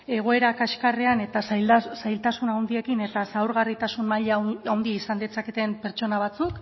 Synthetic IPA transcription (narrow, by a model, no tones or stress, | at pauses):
e̞ɣ̞o̞e̞ɾakaʃkareane̞t̪assajlt̪asunawnd̪ie̞kine̞t̪asawɾɣarit̪asunmaʎawnd̪iisand̪et͡sake̞t̪e̞mpe̞ɾt͡ʃo̞naβ̞at͡suk